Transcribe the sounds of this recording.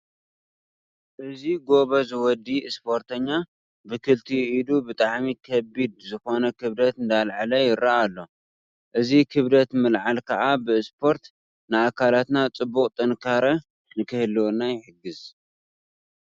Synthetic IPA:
ʔɨziɡo̞βɐzɨwɔd̪ːiɨspʰo̞ɾt̪ʰɐɲːa | bɨkʰɨlt̪ʰiid̪ubɨt̪ʼaʕmikʰɐbid̪zɨxo̞nɐkʰɨβlɐt̪ɨnd̪alʕalɐjɪɾʔaalːo̞ | ʔɨzikʰɨβlɐt̪mɨlʕalkʰɐʔabɨspʰo̞ɾt̪ | nɨakʰalat̪nat͡sʼɨbːukʼt̪ʼɐnkʰaɾɐ | nɨkʰɨhɨlːwonajɪħɨɡːɨz

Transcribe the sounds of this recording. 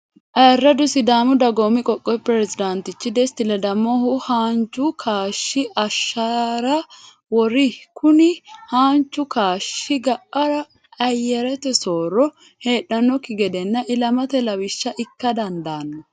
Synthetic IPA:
ʔɐrːɐd̪ʊsɪd̪aːmʊd̪ɐɡomɪkʼɔkʼːɔjpɾɛzɪd̪ɐnt̪ɪt͡ʃːɪd̪ɛst̪ɪlɐd̪ɐmːɔhʊhaːnt͡ʃːʊkʰaːʃːɪʔɐʃːɐɾɐ | wɔɾɪkʰʊnɪhaːnt͡ʃːʊkaːʃːɪɡɐʔːɐɾɐ | ɐjɛɾɛt̪ɛsoːɾɔ | he̞ːɗːɐnːɔkːɪɡɛd̪ɛnːɐʔɪlɐmɐt̪ɛlɐwɪʃːɐʔɪkːɐd̪ɐnd̪aːnːɔ

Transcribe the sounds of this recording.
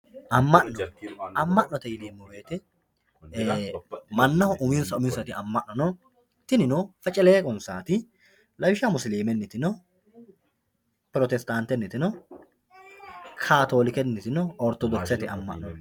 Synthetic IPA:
ʔɐmːɐʔnɔɐmːɐʔnɔt̪ɛjɪleːmːɔweːt̪ɛ | mɐnːɐhɔʔʊmɪnsɐʊmɪnsɐt̪ɪɐmːɐʔnɔnɔ | t̪ɪnɪnɔfɐt͡ʃʼɛleːkʼɔnsaːt̪ɪ | lɐbɪʃamʊsɪleːmɛnːɪt̪ɪnɔ | pɾɔt̪ɛst̪ant̪ːɛnːɪt̪ɪnɔ | kʰaːt̪o̞ːlɪkɛnːɪt̪ɪnɔɔɾt̪ɔd̪ɔksɛt̪ɪʔɐmːɐ̰ʔnɔ

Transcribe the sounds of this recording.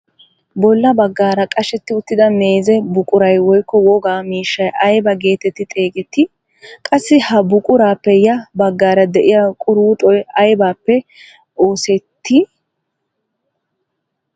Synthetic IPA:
bɔlːɐbɐɡːaːɾɐkʼɐʃɛt̪ːɪʊt̪ːɪd̪ɐme̞ːzɛbʊkʼʊɾɐjwɔjkːɔwɔɡaːmiːʃːɐjɐjbɐɡe̞ːt̪ɛt̪ːɪt̪ʼeːɡɛt̪ːɪ | kʼɐsːɪhɐbʊkʼʊɾaːpːɛjɐbɐɡːaːɾɐd̪ɛʔɪjɐkʼʊɾuːt̪ʼɔjɐjbaːpːɛ | o̞ːsɛt̪ːɪ

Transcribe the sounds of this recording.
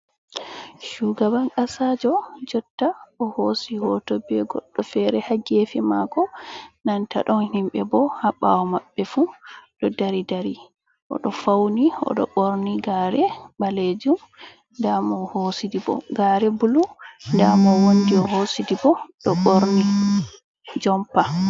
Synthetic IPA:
ʃuɡabaŋkasad͡ʒɔd͡ʒɔtːaʔɔhosihɔtɔbɛɡɔ̰ɗːɔfɛɾɛhaɡefima̰ɡɔnanta̰ɗɔnhimɓɛbɔhaɓːa̰wɔmabːɛfuɗɔdaɾidaɾi | ʔɔ̰ɗɔfawniɔ̰ɗɔ̰ɓoɾniɡaɾɛbaled͡ʒum | ndamɔhosidibɔ̰ɡaɾɛbulundamɔwondiɔhosidibɔɗɔɓoɾni | d͡ʒɔmpa

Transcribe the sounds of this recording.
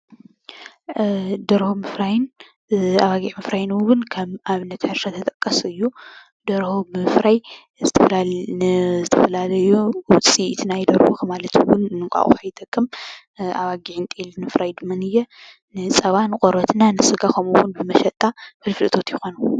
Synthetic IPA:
d̪ɐɾhomɨfɾajɪn | aβaɡiʕmɨfɾajɪnwʊnkʰɐmaβɨnɐt̪ħɨɾʃɐt̪ʰɐt̪ʼɐkʼːɐsɨjːu | d̪̥ɐɾhobɨɨfɾaj | zɨt̪ʰɐfɐlalnɨzɨt̪ʰɐfɐlalɐjuwʊt͡sʼit̪ʰnajd̪ɐɾhoxɐmalɐt̪ʰwʊnːɨkʷʼa̰ʔʼṵxajt̪ʰʼɐkʼːɨm | aβaɡiʕint̪ʼelnmɨfɾajd̪ɨmːanɨjːɛ | nɨt͡sʼɐβanɨkʼoɾɐt̪nanɨsɨɡakʰɐmuwʊnbɨmɐʃɐt̪ʼːafɨlfɨlɨt̪ʰo̞t̪jɪxonu

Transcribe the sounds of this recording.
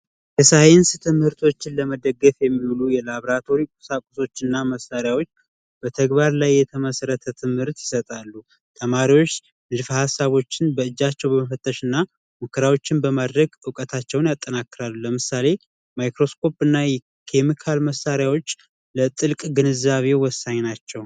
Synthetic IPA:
jɛsajɪnst̪ʰɨmhɨɾt̪ʰo̞t͡ʃːɪnləməd̪əɡːəfjɛmːilujɛlaβɾat̪ʰo̞ɾikʼusakʼuso̞t͡ʃːɨnːaməsaɾjawo̞t͡ʃː | b̥ət̪ʰəɡbaɾlajːɛt̪ʰəməsəɾət̪ʰət̪ʰɨmhɨɾt̪jɪsət̪ʼalːu | t̪ʰəmaɾiwo̞t͡ʃː | nɨd̪fəhasːaβo̞t͡ʃːɪnbəɨd͡ʒːat͡ʃːɛwbəməfət̪ʼːəʃɨnːa | mukʰːəɾawo̞t͡ʃːɪnbəmad̪ɾəɡɨkʼət̪ʰat͡ʃːɛwnjat̪ʼːənakːɨɾalːuləmɨsale̞ | majkɾo̞skʰo̞pɨnːajɛ | kʰemikʰalməsːaɾjawo̞t͡ʃː | lət̪ʼɨlkʼɡɨnɨzːaβe̞wɔsːaɲnat͡ʃːɛw

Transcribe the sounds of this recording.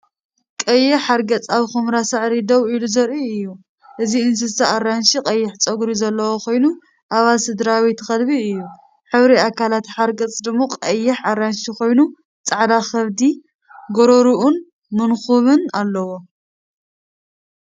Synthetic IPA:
kʼɐjːɪħaɾɡɐt͡sʼaβxomɾasɨʕɾid̪ɐwiluzɐɾʔiɨjːu | ʔɨziɨns̬ɨsaarːanʃiqʼɐjːɪħt͡sʼɐɡɾizɐlːɐwoxʰo̞jnu | ʔaβalsɨd̪ɾawit̪xɐlβiɨjːu | ħɨβɾiakalat̪ħaɾɡɐt͡sʼd̪ɨmːo̞qʼɐjːɪħaɾanʃixʰo̞jnu | t͡sʼaʕd̪axɐβd̪i | ɡoɾoɾuʔun | mɨnxuβɨnalːɐwo̞

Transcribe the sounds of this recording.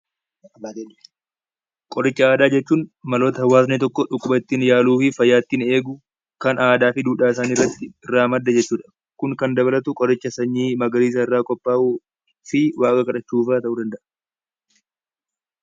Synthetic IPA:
kʼɔɾɪt͡ʃːɐaːd̪aːd͡ʒɛt͡ʃːuːnmɐlo̞ːt̪ɐhɐwːaːsneːt̪ɔkːɔᶑʊkʼːʊbɐt̪ːiːnjaːluːfɪfɐjːaːt̪ːiːne̞ːɡʊ | kɐnaːd̪aːfɪd̪uːᶑaːɪsaːnɪrːɐt̪ːɪɪrːaːmɐd̪ːɐd͡ʒɛt͡ʃːuːᶑɐ̥ | kʊŋkɐnd̪ɐβɐlɐt̪ʊkʼɔɾɪt͡ʃːɐsɐɲːiːmɐɡɐliːs̬ɐɪrːaːkʼɔpːaːʔu | fɪwʔaːkʼɐkɐᶑɐt͡ʃːuːfaːt̪ɐʔuːd̪ɐnd̪ɐʔ

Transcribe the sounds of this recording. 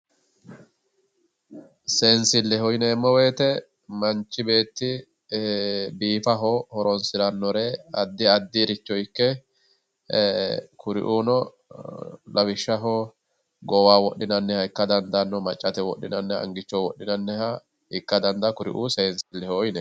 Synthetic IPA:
se̞ːnsɪlːɛhɔjnɛmːɔweːt̪ɛ | mɐnt͡ʃːɪbe̞ːt̪ːɪ | biːfɐɦɔhɔɾɔnsɪd̪ɐnːɔɾeɐd̪ːɪɐd̪ːɪɾɪt͡ʃːɔjkːɛ | kʊɾɪ̰ʔuːnɔ | lɐwɪʃːɐɦɔ | ɡɔwaːwɔʔːɪnɐnːɛhɐɪkːɐd̪ɐnd̪ɐnːɔmɐt͡ʃʼːɐt̪ɛwɔ̰ɗːɪ̰nɐnːɛɐ̰ŋɡɪt͡ʃːɔwɔʔːɪnɐnːɛɦɐ | hɪkːɐd̪ɐnd̪ɐkʊɾɪ̰ʔuːseːnsɪlːɛhɔjnɛ

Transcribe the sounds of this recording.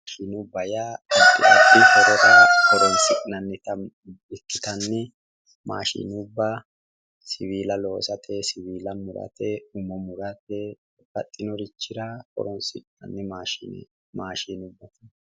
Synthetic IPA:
ʃiːnʊbɐjaɪkʼːɪɐt̪ːikɔɾɔɾɐkɔɾɔnsɪkʼnɐnːɛt̪ɐ | ɪkːɪt̪ɐnːɛ | ma̰ːʃḭːnʊbːɐ | sɪβiːlɐlo̞ːsɐt̪ʰɛsɪβiːlɐmʊɾɐ̰t̪ɛʊmɔmʊɾɐt̪ɛ | kɐt̪ʼːɪnɔɾɪt͡ʃːɪɾɐkɔ̰ɾɔnsɪkʼnɐ̰nːɛmaːʃḭːnɛ̰ | maːʃiːnʊbːɐt̪ɐ̥

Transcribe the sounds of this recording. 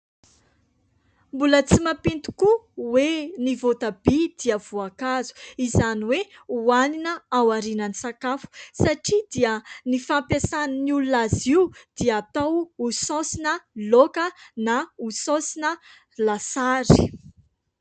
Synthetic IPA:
mbulət͡simapint̪u̥kuwenivot̪abid̪̥iəv̥uakazu̥izaniweuaninəawaɾinənisakafu̥saʈ͡ʂid̪iənifampjasaninululaziwd̪̥iəːt̪awusɔ̃sinəlokənausɔ̃sinə | lasaɾi̥

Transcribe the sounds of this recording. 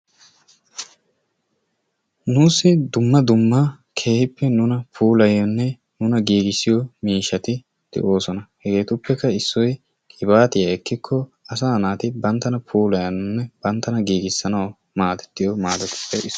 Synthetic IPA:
nuːsːɪd̪ʊmːɐd̪ʊmːɐ | kʰe̞ːhɪpːɛnʊnɐpʰuːlɐjɔnːɛ | nʊnɐɡiːɡɪsːɪjɔmiːʃɐt̪ɪ | d̪̥ɛ̰ʔo̞ːsɔnɐhɛɡe̞ːt̪ʊpːɛkːɐɪsːɔj | kʼɪbaːt̪ɪjɐɛkːɪkʰːɔɐsaːnaːt̪ɪbɐnt̪ːɐnɐpʰuːlɐjɐnʊnːɛb̥ɐnt̪ːɐnɐɡiːɡɪsːɐnɐw | maːd̪ɛ̥t̪ːɪjɔmaːd̪ɛt̪ʊ̥pʰːɛʔɪ

